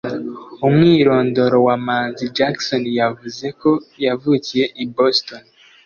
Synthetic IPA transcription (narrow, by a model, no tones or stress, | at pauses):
omŋiːɾo̞ːndo̞ɾo̞wamaːnzid͡ʒaksonjavuze̞ko̞javuːcije̞ʔiboston